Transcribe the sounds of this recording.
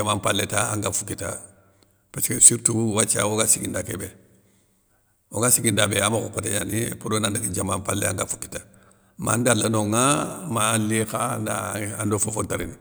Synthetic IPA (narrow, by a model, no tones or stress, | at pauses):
amampalːetaaŋɡafukita̰ | paskesiɾtuwat͡ʃa̰woɡasiɡindakebe | oɡasiɡindabeamakokoteɲanipudonandakid͡ʒamampalḛa̰ŋɡafu̥ki̥ta | ma̰ndalːanoŋamalikandaandofofontaɾini